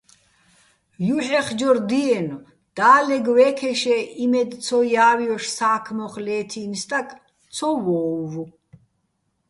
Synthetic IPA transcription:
juħɛχd͡ʒɔɾd̪iɛnɔ | d̪̥aːlɛɡwɛːkʰɛʃɛʔimɛd̪t͡sʰɔjaːwjɔʃsaːkʰmɔχlɛːt̪ʰinst̪ʼak̪ʼ | t͡sʰɔwɔːvu

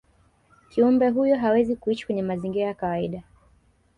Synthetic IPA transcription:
kiumbɛɦujɔɦawɛzikuiʃi̥kwɛɲɛmaziŋɡiɾajakawaiɗa

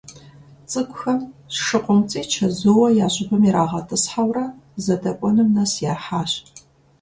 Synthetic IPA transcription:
t͡sʼɨkʷʰʼʊxɐmsʂɨqʷʼɔmt͡sʼiːt͡ʃʰɐzɨwɐjaːɕʼɪbɨmiɾaːʁɐtʰɨsħawrɐzɐdɐkʷʼɔnɨmnɐsjaːħaːɕ

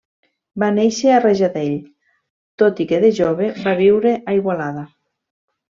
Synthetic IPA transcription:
baneʃeareʒaðeʎ | t̪ot̪ikeðeʒoβeβaβiwɾeʔaiɣwalaða

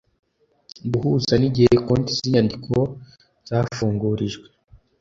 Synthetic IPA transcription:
buhuzaniɟihekontiz̥iɲandikʰo̞ | z̥aːfuːŋɡuːɾiʒɡwe

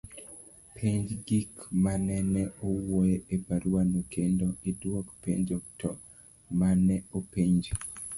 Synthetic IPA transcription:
pʰeɲd͡ʒɡikmanɛnɛowojeepaɾwanokendoidwokpḛɲd͡ʒok̚tʰɔ | manɛopeɲd͡ʒ

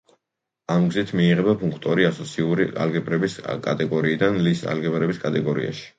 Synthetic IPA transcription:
amɡzit̪ʰmiːʁɛbapʰuŋkʰt̪ʼɔɾiasɔt̪sʰiuɾia̰lɡɛbɾɛbiskʼa̰t̪ʼɛɡɔɾiːd̪anlisa̰lɡɛbɾɛbiskʼat̪ʼɛɡɔɾḭa̰ʃi̥

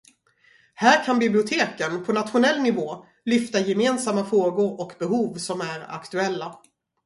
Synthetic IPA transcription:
hæːɾkʰanbɪblɪʊt̪ʰeːkənpʰɔnat̪ɧʊnɛlːnɪvoː | lʏft̪ajɛmeːnsamːafɾoːɡʊɾɔkbɛɦuːvsɔmæɾa̰kt̪ɵɛlːa

